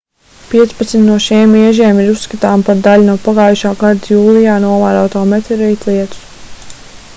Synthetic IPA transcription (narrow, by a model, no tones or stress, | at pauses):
piɛt̪spat̪smit̪nuɔʃimiɛʒiɛmiɾusːkat̪aːmpaɾd̪aʎunuɔpaɡaːjuʃaːɡaɾd̪juːlˠijaːnuɔvaːɾaːt̪ɔːmɛt̪ɛɾijt̪lˠiɛt̪u̥s